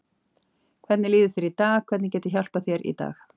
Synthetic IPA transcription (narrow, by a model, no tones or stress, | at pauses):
kʰvɛt̪nɪliːðʏθɪɾit̪aːxkʰvɛt̪nɪcɛːt̪ɪçal̥paθjɛɾḭt̪a̰ːx